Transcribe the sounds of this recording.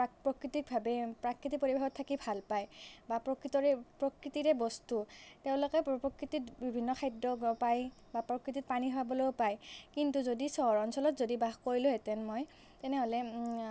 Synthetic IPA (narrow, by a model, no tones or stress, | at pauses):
pɹɔkɹitik̚bʱabɛpɹakɹitipoɹibʱaxɔtʰːakibʱalpajbapɹɔkɹitɔɹɛpɹɔkɹitiɹɛbɔstuteʊ̃lokɛpɹɔkɹititbibʱinːɔxʰajdɔɡɔpaj | bapɹɔkɹitit̚paniɦɔabɔlopajkintuzodisɔɹɔnsɔlɔtzodibaxkoɹilʊɦɛtɛnmoj | tɛnɛɦolɛ